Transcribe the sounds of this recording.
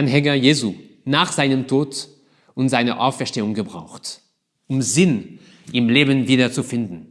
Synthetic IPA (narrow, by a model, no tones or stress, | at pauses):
anɦɛŋɐjeːzuːnaːχz̥aɪnəmtʰoːt | ʊntz̥aɪnɐ̰ʔaʊfɛɐʃteːʊŋɡəbʁa̰ʊxt | ʔʊmzɪn | ʔɪmleːbənviːdɐt͡sufɪndn̩